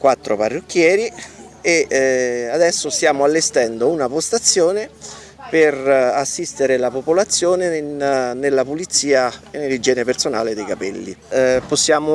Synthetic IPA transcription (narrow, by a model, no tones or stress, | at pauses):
kwat̪ːɾoparːokːjɛːɾi | e | ad̪ɛsːost̪jaːmoalːest̪ɛnd̪ounapost̪at̪sːjoːne | perasːist̪eɾelapopolat̪sːjoːnenelːapulit̪siːaenːelid͡ʒɛːnepersona̰ːled̪ejkapɛlːḭposːjaːmo